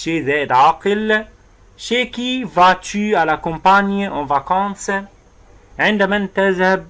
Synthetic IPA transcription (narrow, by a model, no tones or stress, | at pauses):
ʃeːzæːʔɪd̪ʕɑqɨl | ʃeːkivat͡ʃyːʔalakɔ̃mpanjʔɑ̃vakɑ̃ːs | ʕɪnd̪amant̪aðhab̚